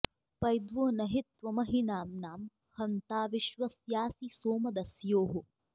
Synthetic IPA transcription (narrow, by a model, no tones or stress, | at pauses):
pɐjd̪ʋuːnɐɦit̪ʋɐmɐɦinaːmnaːm | hɐnt̪aːʋiʃʋɐsjaːsisoːmɐd̪ɐsjoːɦu